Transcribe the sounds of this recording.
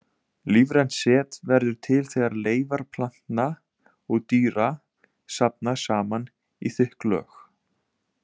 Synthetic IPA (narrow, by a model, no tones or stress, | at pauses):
liːvɾɛnsɛːt̪vɛɾðʏɾ̥t̪ʰɪlθeːɣaɾleːjvaɾ̥pʰlan̥t̪na | ɔɣt̪yːɾa | sap̚nḁsaːman | iθʏhklœ̰ːx